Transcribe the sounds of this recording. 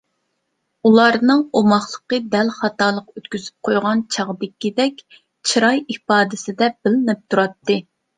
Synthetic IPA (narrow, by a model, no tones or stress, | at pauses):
ulˠɑɾnɨŋomɑχlˠəqəd̪ɛlχɑt̪ɑlˠəqøt̪kʲyzy̥p̚qʰojʁɑnt͡ʃʰɑʁd̪ɪkʲːid̪ɛkʲ | t͡ʃʰiɾɑjipɑːd̪ɪsɪd̪ɛb̥ɪlɪnɪp̚t̪ʰuɾɑt̪ːɨ